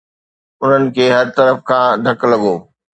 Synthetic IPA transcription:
ʊn̤ənɪ̆kʰeːɦɐɾt̪ɐɾəfkʰãːd̪ʱɐklɐɠoː

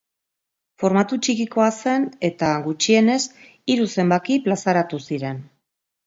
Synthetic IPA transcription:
fo̞ɾmat̪ut͡ʃikiko̞ase̞ne̞t̪aɡut͡ʃie̞ne̞s | iɾuse̞mbakiplasaɾat̪usiɾe̞n

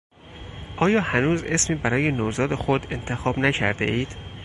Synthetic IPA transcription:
ʔɒːjɒːhænuːze̞smiːbæɾɒːje̞noːzɒːd̪e̞xod̪e̞nt̪ʰe̞xɒːbnæcʰæ̰ɾd̪e̞̰ʔiːd̪̥

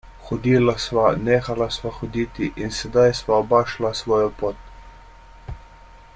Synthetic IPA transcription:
xɔd̪iːlasʋaneːxalasʋaxɔd̪iːt̪iʔinsɛd̪ajsʋaɔbaːʃlasʋɔːjɔpoːt̪̚

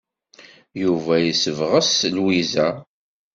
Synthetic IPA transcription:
juvæjəsəvʁəslwizæ

